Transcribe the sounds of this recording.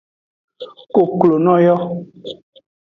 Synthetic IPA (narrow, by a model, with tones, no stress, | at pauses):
ko˨klo˨nɔ̃˦jɔ˦